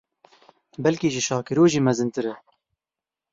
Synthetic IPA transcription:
bɛlkiːʒɪʃɑːkɨɾoːʒiːmɛzɨnt̪ɨɾɛ

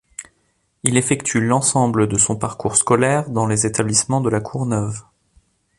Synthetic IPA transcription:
ilefɛkt̪ʰylɑ̃sɑ̃bləd̪əsɔ̃paʁkuʁskɔlɛʁd̪ɑ̃lezet̪ablismɑ̃d̪əlakʰuʁnœv

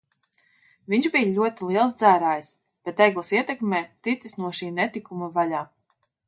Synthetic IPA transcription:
viɲʒbijalʲuɔt̪ilˠiɛlˠsd̪zæːɾaːjis | b̥ɛt̪ɛɡlˠɐsiɛt̪ɛkmʲeːt̪it̪sisnuɔʃiːnɛt̪ikumavalaː

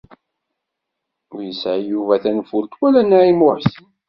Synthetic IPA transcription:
ʊɾjəsʕjuvæθænfʊlt̪wælænæʕimʊħsn

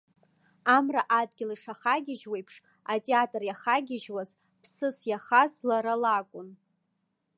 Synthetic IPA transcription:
amraʔad̚ɡʲɪliʂaχaɡʲɪʒwejpʰʂ | atʼeatʼrjaχaɡʲɪʒwaz | pʰsɨsjaχazlaɾalakʷʼʊn

